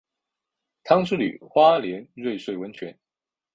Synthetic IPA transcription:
t̪ʰɑ˥ŋʂ̩˥ly̰˨˩xwa˥ljɛ˧˥nɻwe˥˧ɪʂwe˥˩ɪwə˧˦nt͡ɕʰɥɛ˧˥n

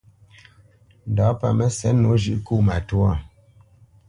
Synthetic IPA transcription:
n˨da˨˦pa̰˨mɛ˦sɛ˨˦no˨˦ʒʉ˦ʔku˦˨ma˨tu˦ɔ˦˨

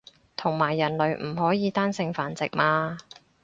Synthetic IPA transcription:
t̪ʰʊ˨˩ŋmaː˨˩jːɐ˨˩nlɵ˨˧ɥm̩˨˩hɔː˨˥jiː˨˧t̪aː˥nsɪ˧ŋfaː˨˧nt͡sɪ̰˨k̚maː˧

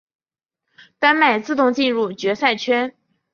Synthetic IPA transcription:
t̪a˥nma˨˩ɪt͡sɹ̩˥˧t̪ʊ˥˧ŋt͡ɕi˥˧nɻu˥˩t͡ɕɥɛ˧˥sa˥˩ɪt͡ɕʰɥɛ˥n

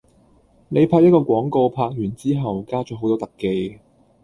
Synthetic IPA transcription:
ne˨˧jpʰaː˧jɐ˥t̚kɔː˧kʷɔː˨˥ŋko˧wpʰaː˧k̚jyː˨˩nt͡siː˥ɦɐ˨wkaː˥t͡ʃːɦo˨˥wt̪ɔː˥t̪ɐ˨kːe˧j

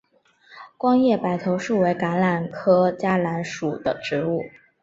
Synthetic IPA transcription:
kwɑ˥ŋjɛ˥˩pa˨˩ɪt̪ʰo˧˥ʊʂu˥˩we˧˥ɪka˧˥nla˨˩nkʰɤ˥t͡ɕja˥la˧˥nʂu˨˩d̪ə˦ʈ͡ʂɻ̩˧˥u˥˩

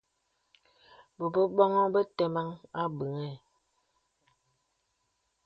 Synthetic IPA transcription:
bə˨bə˦ɓɔ˦ŋɔ˦bə˦tɛ˨ma˦ŋa˦bə˨ŋɛ˦˨

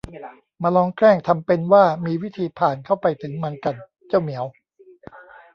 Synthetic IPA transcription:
ma˧lɔː˧ŋkɾɛː˥˩ŋt̪ʰa˧mpe˧nwaː˥˩miː˧wi˦˥t̪ʰiː˧pʰaː˨˩nkʰa˥˩wpa˧jt̪ʰɯ˩˦ŋma˧nka˨˩n | t͡ɕa˥˩wmi˩˦əw

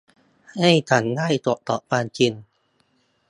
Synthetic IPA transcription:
ha˥˩jt͡ɕʰa˩˦nŋaː˥˩jt̪u˨˩˦ʔt̪ɔ˨˩ʔpaː˧nt͡ɕi˧n

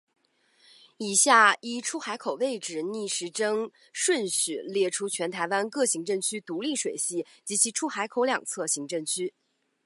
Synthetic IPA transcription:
i˨˩ɕja˥˩i˥ʈ͡ʂʰu˥xa˧˥ɪkʰo˨˩ʊwe˥˩ɪʈ͡ʂɻ̩˨˩ni˥˩ʂɻ̩˧˥ʈ͡ʂɤ˥ŋ | ʂwə˥˧nɕy˨˩ljɛ˥˩ʈ͡ʂʰu˥t͡ɕʰɥɛ˧˥nt̪ʰa˧˥ɪwa˥nkɤ˥˩ɕi˧˥ŋʈ͡ʂɤ˥˩ŋt͡ɕʰy˥t̪u˧˥li˥˩ʂwe˨˩ɪɕi˥˩ | t͡ɕi˧˥t͡ɕʰi˧˥ʈ͡ʂʰu˥xa˧˥ɪkʰo˧˥ʊljɑ̰˨˩ŋt͡sʰɤ˥˩ɕi˧˥ŋʈ͡ʂɤ˥˧˩ŋt͡ɕʰy˥

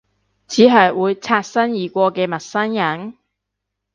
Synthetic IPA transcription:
t͡sʰiː˨˥ɦɐ˨jwuː˨˧jt͡sʰaː˧t̚sɐ˥njiː˨˩kʷɔː˧kɛː˧mɐ˨˩t̚sɐ˥njɐ˨˥ŋ

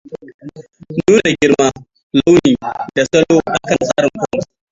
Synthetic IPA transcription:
nuː˦na˨ɡʲɪ˦ɽma˦ | la˦wniː˨da˨sɐ˦loː˦ʔa˨kɐ˨nsʼaː˦ɾɪ˨ŋkʷʊ˦ʊ˨

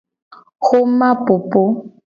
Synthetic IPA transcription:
ɣʊ˦ma˦pʊ˨po˦

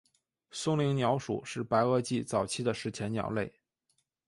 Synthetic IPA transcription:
sʊ˥ŋli˧˥ŋnjɑ˧˥ʊʂṵ˨˩ʂɻ̩˥˩pa˧˥ɪɤ˥t͡ɕi˥˩t͡sɑ˨˩ʊt͡ɕʰi˥d̪ə˨ʂɻ̩˧˥t͡ɕʰjɛ˧˥njɑ̰˨˩ʊle˥˩ɪ

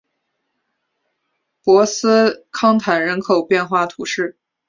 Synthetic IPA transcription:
pwɔ˧˥sɹ̩˥kʰɑ˥ŋt̪ʰa˨˩nɻə˧˥nkʰo˨˩ʊpjɛ˥˧nxwa˥˩t̪ʰu˧˥ʂɻ̩˥˩

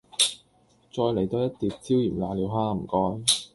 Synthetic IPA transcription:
t͡sɔː˧jle˨˩jt̪o˧wjɐ˥t̚t̪iː˨p̚t͡siː˥wjiː˨˩mla̰ː˨˧liː˨˧wɦaː˧m̩˨˩kɔː˥j

